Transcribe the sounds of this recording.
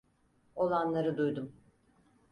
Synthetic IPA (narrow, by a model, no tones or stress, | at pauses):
o̞lˠanlˠaɾɯd̪ujd̪um